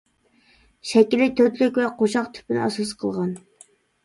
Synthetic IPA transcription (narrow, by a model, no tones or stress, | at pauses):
ʃɛkʲilɪt̪ʰøt̪lykʲwɛqʰoʃɑqt̪ʰy̥pɪnɪ̰ɑsɑs̬qʰəlˠʁɑn